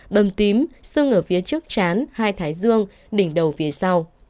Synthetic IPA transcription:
ɓə˨˩mt̪i˨˦msɨ˧əŋʔəː˧˩fi˨˦ət͡ɕɨ˦˥ək̚t͡ɕaː˨˦nhaː˧jt̪ʰaː˨˦jzɨ˧əŋ | ɗï˧˩ŋ̟ɗə˨˩wfi˨˦əsa˧w

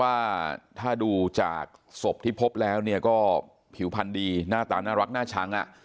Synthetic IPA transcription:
waː˥˩t̪ʰaː˥˩duː˧t͡ɕa̰ː˨˩k̚so˨˩p̚t̪ʰiː˥˩pʰo˦˥p̚lɛː˦˥wni˥˩ɐkɔː˥˩ | pʰi˨˩˦wpʰa˧ndiː˧naː˥˩t̪aː˧naː˥˩ɾa˦˥k̚naː˥˩t͡ɕʰa˦˥ŋʔa̰˨˩ʔ

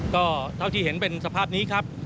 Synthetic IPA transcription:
kɔː˥˩t̪ʰa˥˩wt̪ʰiː˧˩he˩˦npe˧nsa˧pʰaː˥˩p̚niː˦˥kʰɾa˦˥p̚

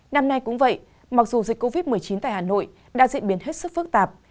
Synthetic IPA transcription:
na˧mna˧jkʊ̰˧˥ŋ͡mvə̰˧˨j | ma˨˩k̚zu˨˩zi˨˩k̟kːo˧vi˦˥t̚mɨ˨˩əjt͡ɕi˨˦nt̪a̰ː˧˨haː˨˩no̰˧˨j | ɗa̰ː˧˥zḭ˧˨ənɓi˨˦ənɦe˦˥t̚sɨ˦˥k̚fɨ˦˥k̚t̪aː˨˩p̚

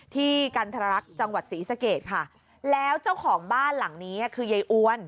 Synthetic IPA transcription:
t̪ʰiː˥˩ka˧nt̪ʰa˧a˧ɾa˦˥k̚t͡ɕa˧ŋwa˨˩t̪̚siː˩˦sa˧keː˨˩t̪̚kʰa˥˩ | lɛː˦˥wt͡ɕa˥˩wkʰɔː˩˦ŋbaː˥˩nla˩˦ŋniː˦˥a˥˩kʰɯː˧ja˨˧˩jʔu˧ən

